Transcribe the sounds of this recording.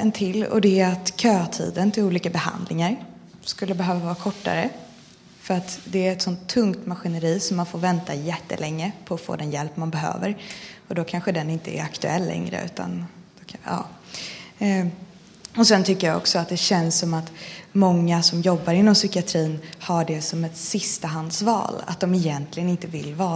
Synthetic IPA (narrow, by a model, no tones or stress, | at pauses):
ɛnt̪ʰɪlːɔ̰d̪ɛat̪kʰøːt̪ʰḭːd̪ənt̪ʰɪluːliːkabɛha̰nd̪lʔɪŋaɾ | skɵlːəbɛɦøːvavɑːɾakʰɔʈːa̰ɾə | fœɾat̪d̪ɛːɾɛt̪sɔnt̪ʰːɵŋkt̪maɧɪnəɾiːsɔmːanfoːɾvɛnt̪ajɛt̪ːə̰lʔɛŋːəpʰɔːfo̰ːd̪ɛnjɛlpːmanbɛɦø̰ːvəɾɔd̪ɔkʰanɧəd̪ɛnɪnt̪əɛ̰ɾakt̪ɵɛlːɛ̰ŋɾə̰ʉ̟̰ːt̪ʰa̰ndd̥ɔkʰɑ̰ː | ɔsɛnt̪ʰʏkːəjaɔ̰ksɔat̪̚d̪ɛɕɛnsːɔmat̪mɔŋːasɔmjɔbːaɾɪnːɔmsʏkɪat̪ʰɾiːnhaɖɛsɔmɛt̪sɪst̪aɦand̪svɑ̰ːla̰t̪̚d̪ɔmɛjɛnt̪ʰlɪɡənɪnt̪əvɪlːvɑː